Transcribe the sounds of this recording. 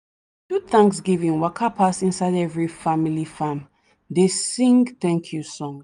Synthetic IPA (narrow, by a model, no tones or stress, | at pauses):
d̥uθãŋksɡivĩnwakʰapʰasĩnsaɪdɛvɹifamilifãm | desĩŋɡθɛ̃ŋkʰjusɔ̃ŋ